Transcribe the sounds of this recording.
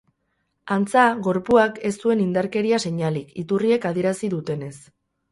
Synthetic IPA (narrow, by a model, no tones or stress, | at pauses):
ant͡saɣo̞ɾpuake̞st̪ue̞nind̪aɾke̞ɾiase̞ɲalikit̪urie̞kað̞ie̞ɾasiðut̪e̞ne̞s